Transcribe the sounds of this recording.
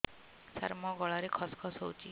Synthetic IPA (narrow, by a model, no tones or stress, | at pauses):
sa̰ɾmɔɡɔɭaɾekʰɔskʰɔsɦowt͡ʃʰi